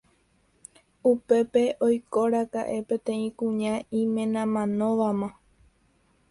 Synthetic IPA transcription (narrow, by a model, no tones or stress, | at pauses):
upe̞pe̞ʔojkoɾaka̰ʔe̞pẽ̞t̪ẽ̞ĩkũɲãĩmẽ̞nãmãnõʋamã